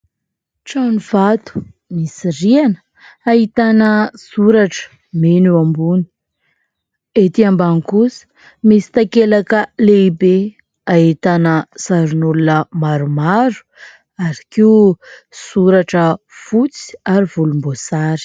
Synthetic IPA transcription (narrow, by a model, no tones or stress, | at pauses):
ʈ͡ʂanivat̪u̥ | misirianə̥ | aɦit̪anəsuɾaʈ͡ʂə̥ | menuambuni̥ | et̪iambaŋikusə̥ | misi̥t̪akelakəleibe | aɦit̪anəsaɾunulunəmaɾumaɾu̥ | aɾi̥kiusuɾaʈ͡ʂə | fut͡si̥aɾiv̥ulumbosaɾi̥